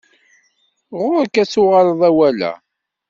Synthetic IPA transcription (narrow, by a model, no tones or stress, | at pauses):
ʁʊɾkːæt͡sːʊʁələðˤæwælæ̰